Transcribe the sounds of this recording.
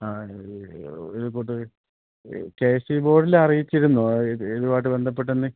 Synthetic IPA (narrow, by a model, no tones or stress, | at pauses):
aː | iðukuːʈːɨ | keːsibo̞ːɽilɐrijit͡ɕːiɾunːueðubaːjʈ̬ːɨbe̞nd̪ʱɐp̬ːe̞ʈ̬ːenːɨ